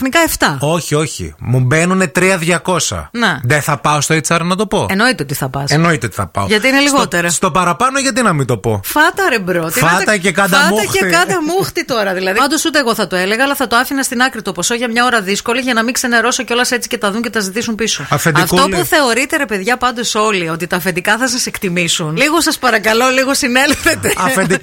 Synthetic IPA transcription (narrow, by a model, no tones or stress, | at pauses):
xnikɐeft̪ɐo̞çio̞çḭmubenunet̪ɾiɐðʝɐko̞sɐ̰neðeθɐpɐost̪oit͡sɐɾnɐt̪o̞po̞eno̞it̪eot̪iθɐpɐsenoit̪eot̪i̥θɐpɐ̰oʝɐt̪iineliɣo̞t̪eɾɐst̪o̞pɐɾɐpɐnoʝɐt̪̬inɐmit̪o̞po̞fɐt̪ɐɾebɾot̪iɐɐekɐd̪ɐɐtmuɐcekɐd̪ɐmuxt̪it̪o̞ɾɐðilɐðiɐnd̪o̞sut̪e̞ːɣo̞θɐt̪oeleɣɐɐlɐθɐt̪oɐfinɐst̪inɐkɾit̪o̞po̞so̞ʝɐmɲɐo̞ɾɐðisko̞liʝɐnɐmiŋkse̞ne̞ɾo̞soceo̞lɐse̞t͡si̥ce̞t̪ɐðuɲcet̪ɐzit̪isumpisoɐfenift̪opuθe̞o̞ɾit̪eɾe̞pe̞ðʝɐpɐnd̪o̞so̞lio̞t̪it̪ɐːfend̪ikɐθɐsɐse̞kt̪imisunliɣo̞sɐspɐɾɐkɐlo̞liɣo̞sine̞lfe̞t̪eɐed̪i